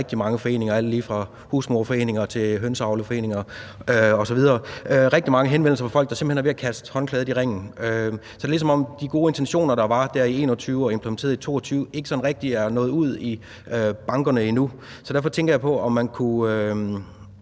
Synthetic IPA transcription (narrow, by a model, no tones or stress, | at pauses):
ɡ̥̚d̥imɑ̈ŋəfɒ̽e̝̰ːne̝ŋɐæld̥liːfʁɑ̈ | husmoːfɒ̽e̝̰ːne̝ŋɐt͡sʰe̝ɦønsɑ̈ʊləfɒ̽e̝̰ːne̝ŋɐøɒ̽sɒʋið̞ˠɐːøʁɛɡ̥̚d̥imɑ̈ŋəɦenʋen̰l̩sɐfɒ̽fɒ̽l̰ɡ̥̚ɑse̝m̥̩henhæʋe̝ækʰæsd̥hɒ̽nkʰlɛːð̞̩ˠiʁeŋ̰n̩øsɒ̽d̥elisɒ̽mɒ̽m̰d̥iɡ̥o̝ːe̝nt͡sʰenɕo̝̰ːnɐɾ̥ɑ̈ʋɑ̈d̥æɐie̝̰ːnɒt͡sʰyːʊɒ̽e̝mpʰləment͡sʰe̝̰ːɐðˠit͡sʰo̝̰ːɒt͡sʰyːʊe̝ɡ̥ə̥sɒ̽n̩ʁɛɡ̥̚d̥iæɐnɔ̽ːð̩ˠuð̞̰ˠi | øb̥ɑ̈ŋɡ̥ɐnəinu | sɒ̽d̥æɐfɒ̽t͡sʰeŋɡ̥ɐjɑ̈pʰɒ̽ɒ̽mːænkʰuø